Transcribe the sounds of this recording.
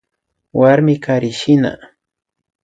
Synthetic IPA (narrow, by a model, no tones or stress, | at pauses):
waɾmɪkaɾɪʃɪna̰